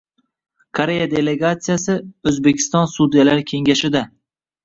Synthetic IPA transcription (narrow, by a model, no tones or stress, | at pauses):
kʰoɾe̞jad̪e̞le̞ɡat̪sijasɪɵzbekʲʰɪ̥st̪ɒnsud̪ijalaɾkʲʰe̞ŋɡʲaʃɪd̪a